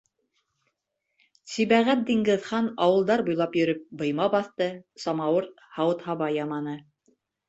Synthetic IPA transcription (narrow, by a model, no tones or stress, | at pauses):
siβæʁæt̪̚d̪iŋɡɘ̆ðχɑnɑwɤ̆lˠd̪ɑɾbujlˠɑpjɵ̆ɾɵp̚bɤ̆jmɑbɑθt̪ɤsɑmɑwɤɾ | hɑwɤt̪hɑβɑjɑmɑnɤ